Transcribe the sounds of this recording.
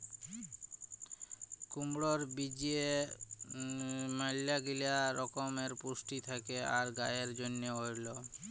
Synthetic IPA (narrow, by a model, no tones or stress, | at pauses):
kumɽoɾbid͡ʑie | malːaɡiliaɾɔkomeɾpusʈit̪ʰakeaɾɡajeɾd͡ʑonːeɦoɾlo